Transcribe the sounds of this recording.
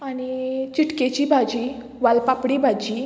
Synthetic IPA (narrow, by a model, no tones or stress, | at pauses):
aɽ̃it͡ɕiʈket͡ɕibʱad͡ʑi | ʋalpapɽibʱad͡ʑi